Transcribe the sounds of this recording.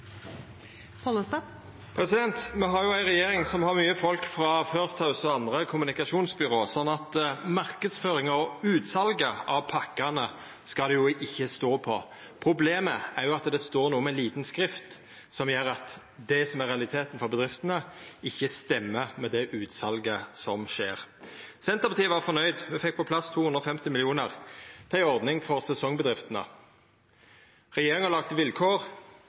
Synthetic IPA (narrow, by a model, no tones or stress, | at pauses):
pʰɔləst̪ɑ | pʰɾɛsɪd̪ɛnt̪mɛɦɑɾjʊæɪnʁɛjeːɾɪŋsɔmhɑʁmyːəfɔlkfɾɑføːʁst̪hɑʉsɔɑnd̪ʁəkʰʊmʉnɪkɑʃuːnsbʏɾoːsɔnːɑt̪mɑʁkəd̪sføːɾɪŋɔʉːt̪sɑlɡəɑʋpʰɑkːɑnə | skɑd̪ɛjʊʔɪçːəst̪oːpʰɔ | pʰɾʊbleːməæɾjʊɑt̪d̪ɛst̪oːɾnuːəmɛnliːt̪n̩skɾɪft̪ | sɔmjøːɾɑt̪ | d̪ɛsɔmæɾʁɛɑlɪt̪ʰeːt̪nfɔʁbəd̪ʁɪft̪ənəɪçːəst̪ɛmːəmɛd̪ɛʔʉːt̪sɑlɡəsɔmʃeːʁsɛnt̪əʁpʰɑt̪iːəʋɑʁfɔɾnœʏd̪ʋɛfɛk̚ːpʰɔpʰlɑst̪ʰuːʉnɾʁɔfɛmt̪ɪmɪlɪuːnəʁt̪ʰæɪɔʁd̪nɪŋfɔʁsɛsɔŋbəd̪ʁɪft̪ənə̰ | ʁɛjeːɾɪŋɑlɑːɡt̪əʋɪlkʰoːʁ